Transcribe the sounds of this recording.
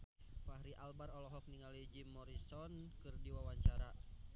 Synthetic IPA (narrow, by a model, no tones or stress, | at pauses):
pahɾiʔalbarɔlɔɦɔk̚niŋalid͡ʒimːɔɾisɔnkɨrdiwawaɲt͡ʃaɾa